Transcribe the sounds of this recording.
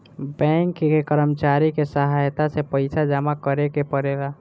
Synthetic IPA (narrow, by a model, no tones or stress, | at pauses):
bɛ̃ŋkːkekəɾəmt͡ʃaɾikesəɦajt̪asepəɪsad͡ʒəmakəɾekepəɾeɡa